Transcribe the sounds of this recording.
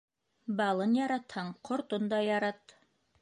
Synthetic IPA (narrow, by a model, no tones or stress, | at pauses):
bɑlˠɤnjɑɾɑt̪hɑɴqʰŏɾt̪ond̪ɑjɑɾɑt̪